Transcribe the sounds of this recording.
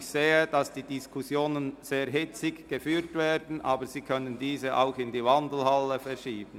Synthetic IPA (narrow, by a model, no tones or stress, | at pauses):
çseːəd̥ɑsd̥iːdɪskʰusjoːnənz̥eːɾɦɪt͡sɪɡɡ̥əfyːɾtveːdn̩ʔɑːbəz̥iːkʰœnəndiːzəʔa̰ʊxɪndiːvɑndl̩hɑləfɛʃiːbən̩